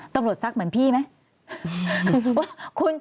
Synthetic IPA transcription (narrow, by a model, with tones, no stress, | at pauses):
t̪a˧mɾu˨˩ət̪̚sa˦˥k̚mɯ˩˦ənpʰiː˥˩ma˦˥˧ | kʰu˧n